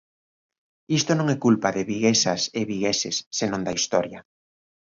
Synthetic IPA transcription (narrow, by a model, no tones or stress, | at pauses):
ist̪onõŋɛkulpaðɪβiɣesaseβiɣesɪsːenõŋd̪ɐist̪ɔɾjɐ